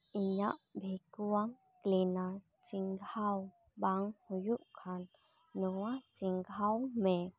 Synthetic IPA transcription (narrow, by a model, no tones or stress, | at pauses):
ʔiɲaʔbʱejkuaŋ | klina | t͡siŋʰaw | baŋhujuʔkʰanː | ɔat͡siŋkʰawme